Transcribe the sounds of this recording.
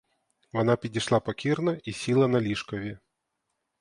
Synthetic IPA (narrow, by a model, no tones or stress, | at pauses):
vanapʲid͡zʲiʂlˠapɐkʲirnɐisʲilˠɐnɐlʲiʂkɐvʲɛ